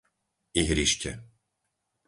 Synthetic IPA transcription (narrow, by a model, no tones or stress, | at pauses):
iɦɾiʃcɛ̰